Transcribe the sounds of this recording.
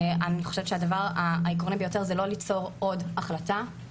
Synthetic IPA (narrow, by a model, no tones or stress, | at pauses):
aniχo̥ʃevet̪ʃead̪avaʁaaikʁonibejo̞te̞ʁzelolit͡so̞ʁo̞daχlata